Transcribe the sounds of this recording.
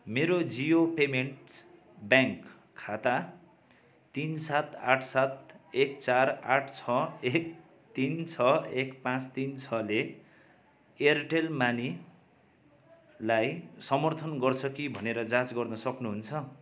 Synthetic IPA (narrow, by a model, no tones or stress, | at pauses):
meɾod͡ziopemeɳʈ | bjaŋkʰː | at̪a | t̪insat̪a̰ʈʰsat̪̚ek̚t͡saraʈʰt͡sʰʌek̚ | t̪int͡sʰʌekpãt͡st̪int͡sʰʌle | erʈelmani | lajsʌmʌrt̪ʰʌnɡʌrt͡sʰʌkibʱʌneɾʌd͡zãt͡sɡʌrnʌsʌknuɦunt͡sʰʌ